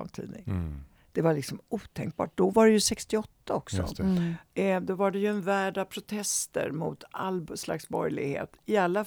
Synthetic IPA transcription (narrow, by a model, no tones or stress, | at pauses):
a̰mt̪ʰḭːd̪nɪŋ | d̪̥ɛvalɭɪksɔmuːt̪ʰɛŋk̚bɑ̰ːʈ̚d̪ɔvaɖɛjɵsɛkst̪ɪɔt̪ʰːaɔksɔ̰ | d̪ɔvaɖɛjɵɛnvæːɖavpʰɾʊt̪ʰɛst̪ə̰ɾmʊ̰t̪ʰa̰lːsla̰ksbɔɾjlɪ̰ɡhḛːt̪ɪalːa